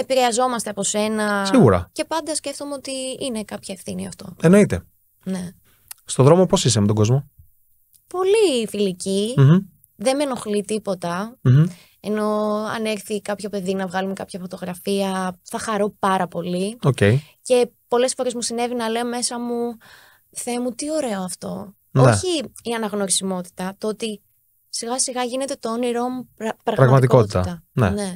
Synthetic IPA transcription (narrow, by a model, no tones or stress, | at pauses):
e̞piɾe̞ɐzo̞mɐst̪eɐpo̞se̞nɐsiɣuɾɐ̰ce̞pɐnd̪ɐsce̞ft̪o̞meo̞t̪iine̞kɐpçɐefθiniɐ̰ft̪o̞e̞no̞it̪ḛ | ne̞ | st̪oðɾo̞mo̞po̞sis̬emet̪oɡo̞zmo̞ | po̞lifilici̥ | ðe̞me̞no̞xlit̪ipo̞t̪ɐ | eno̞ɐ̰neɾθikɐpçope̞ðinɐvɣɐlumekɐpçɐfo̞t̪o̞ɣɾɐfiɐθɐxɐɾo̞pɐɾɐpo̞liocei | ce̞po̞le̞sfo̞ɾe̞zmusine̞vinɐle̞ome̞sɐmu | θe̞mut̪io̞ɾe̞oɐft̪o̞ | oçiːɐnɐɣno̞ɾisimo̞t̪i̥t̪ɐt̪oot̪i | siɣɐsiɣɐʝine̞t̪e̞t̪ooniɾo̞mupɾɐɣɾɐɣɐmɐit̪ikotit̪ɐt̪ɐnene̞